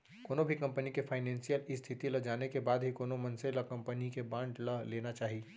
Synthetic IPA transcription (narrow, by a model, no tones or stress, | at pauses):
koːnobʱikɐ̃mpənikefʰaːɪnɛ̃ːnsijəlist̪ʰɪt̪ilɐd͡ʒaːnekebaːd̪ɦikoːnomɐnselɐkɐ̃mpənikebãːɳʈlɐleːnat͡ʃaːɦi